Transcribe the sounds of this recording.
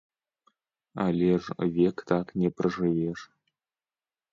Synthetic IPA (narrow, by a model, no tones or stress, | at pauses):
a̰lʲeʐvʲekt̪ʰaknʲeprɨʐɨveʂ